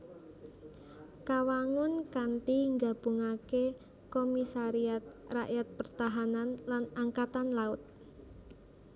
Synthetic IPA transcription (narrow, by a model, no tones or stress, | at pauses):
kawaŋʊnkanʈiŋɡab̥uŋake | komisaɾiat̪̚raʔjat̪̚pərt̪aɦananlanaŋkat̪anlaʊt̪̚